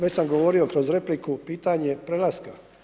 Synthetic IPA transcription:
ʋet͡ɕsamɡo̞ʋo̞ɾio̞kɾozɾe̞plikupiːt̪aɲe̞pɾelaska

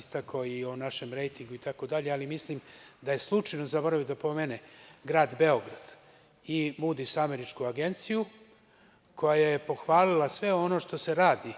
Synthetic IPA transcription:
st̪akʰoionaʃe̞mɾe̞jt̪iŋɡuit̪ako̞d̪aʎe̞alimislimd̪aje̞slˠut͡ʃajnozabo̞ɾaʋid̪apo̞meneɡɾaːd̪be̞o̞ɡɾad̪̥ | imud̪isame̞ɾit͡ʃkuaɡe̞nt̪siju | kʰo̞jaje̞po̞xʋaːlilasʋe̞o̞no̞ʃt̪o̞se̞ɾaːd̪i

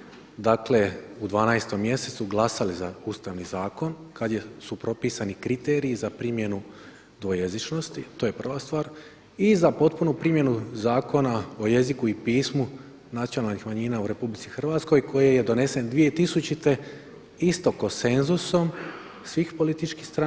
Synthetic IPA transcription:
d̪akle̞ud̪ʋaːnaest̪o̞mːje̞se̞t̪suɡlˠasalizauːst̪aʋnizaːko̞nkad̪jesupɾo̞piːsanikɾit̪eːɾijːzapɾimje̞nu | d̪ʋojezit͡ʃno̞st̪it̪oːje̞pr̩ʋast̪ʋaːɾ | izapo̞t̪punupɾimje̞nuzaːko̞nao̞je̞zikuipiːsmu | nat̪sionalnixmaɲiːnauɾe̞publit̪sixrʋaːt̪sko̞jkʰo̞jeje̞d̪o̞ne̞se̞nd̪ʋije̞t̪isut͡ʃit̪e̞ | ist̪o̞konse̞nzuso̞m | sʋiːxpo̞lit̪it͡ʃkixst̪ɾa

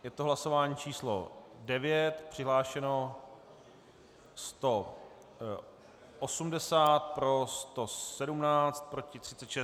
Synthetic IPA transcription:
jɛt̪oɦlaso̞vaːɲiːt͡ʃiːslo̰dɛvjɛt̪pr̝̥ɪɦlaːʃɛno̞ | st̪o̞ | ʔosumdɛsaːt̪̚pɾo̞st̪o̞sɛdumnaːt͡st̪̚pɾo̞cɪt̪r̥ɪt̪t͡sɛt̪ʃɛ

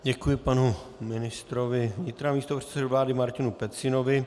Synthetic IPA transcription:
ɟɛkujɪpanu | mɪnɪst̪ɾovɪvɲɪt̪ɾaːmiːst̪opr̥ɛ̥t̪t͡sɛduvlaːdɪmaɾcɪnupɛt̪sɪno̞vɪ

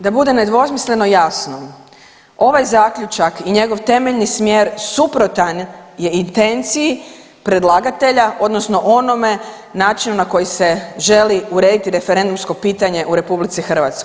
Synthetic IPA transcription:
d̪abud̪e̞ne̞d̪ʋo̞smisle̞no̞jasno | o̞ʋajzaːkʎʲut͡ʃakiɲe̞ɡo̞ʋt̪e̞meʎnismjeːɾsupɾo̞t̪anje̞int̪e̞nt̪siji | pɾe̞d̪lˠaːɡat̪e̞ʎaʔo̞d̪no̞sno̞ʔo̞no̞me̞ | naːt͡ʃinunako̞jise̞ʒe̞liuɾe̞ːd̪it̪iɾe̞feɾe̞nd̪umsko̞piːt̪aɲe̞ʔuɾe̞publit̪sixr̩ʋat̪skoj

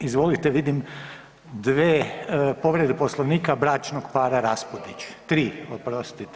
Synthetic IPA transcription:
izʋolit̪eʋid̪im | d̪ʋeːpo̞ʋɾed̪eposlˠoʋniːkabɾaːt͡ʃnoɡpaːɾaɾaspod̪it͡ʃt̪ɾiːopɾost̪it̪

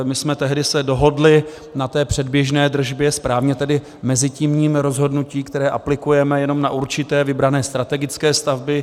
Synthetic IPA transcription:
mɪsmɛt̪ɛɦdɪsɛdo̞ɦo̞dlɪ | nat̪ɛːpr̝̥ɛdbjɛʒnɛːd̪r̩ʒbjɛspɾaːvɲɛt̪ɛdɪ | mɛzɪciːmɲiːmɾo̞zɦo̞dnuciːkt̪ɛɾɛːʔaplɪkujɛmɛjɛno̞mnaʔuɾt͡ʃɪt̪ɛːvɪbɾanɛːst̪ɾat̪ɛɡɪt͡skɛːst̪avbɪ

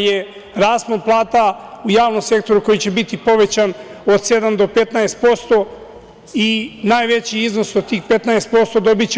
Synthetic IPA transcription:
je | ɾaːsmonplˠaːt̪aujaːʋno̞mse̞kt̪o̞ɾuko̞jit͡ɕe̞bit̪ipo̞ʋe̞t͡ɕan | o̞d̪se̞d̪amd̪o̞pet̪naest̪̚po̞st̪o̞ | inaːjʋe̞t͡ɕiizno̞sod̪t̪iːxpe̞t̪naest̪po̞st̪o̞d̪o̞bit͡ɕe

